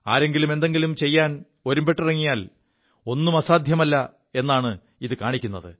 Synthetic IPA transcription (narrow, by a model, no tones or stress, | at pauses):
a̰ːɾe̞ŋɡilume̞nd̪e̞ŋɡilumt͡ɕe̞jːaːn | o̞ɾumbe̞ʈːirɐŋːijaːl | o̞nːumɐsaːd̪ʱjɐmɐlːɐ | e̞nːaːɳɨ | iðɨkaːɳikʲːunːɐðɨ